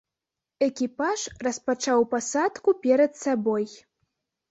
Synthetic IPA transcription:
ɛkʲipaʐrɐspat͡ʂawpasat̪kupʲɛɾɐd̪saboj

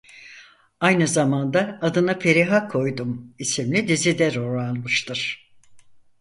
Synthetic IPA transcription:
ajnɯzamand̪aːd̪ɯnapʰe̞ɾiɦakʰo̞jd̪umisimlʲid̪izid̪ɛɾoɾalˠmɯʃt̪ʰɯɾ̥

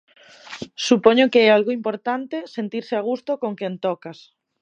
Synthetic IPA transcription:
supɔɲokeɛalɣoimpoɾt̪ant̪esent̪iɾseaɣ̞ust̪okoŋkɛnt̪ɔkas

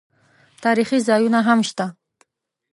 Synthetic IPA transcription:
t̪ɑɾiχizɑjunaɦamʃt̪a

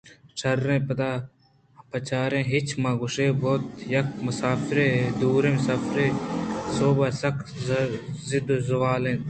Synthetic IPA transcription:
t͡ʃʰɐɾːẽːpɐt̪aː | pɐt͡ʃaːɾẽːɦɪt͡ʃʰmãːɡʊʃẽːboːt̪jɐk̚mʊsaːfɾẽd̪uːɾẽːmʊsaːfɾeːsoːbasɐk | zɪd̪zɐwaːlẽː

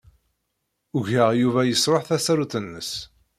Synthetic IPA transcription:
ʊʝəʁjuvæjəsɾoħθæsæɾuθənːəs

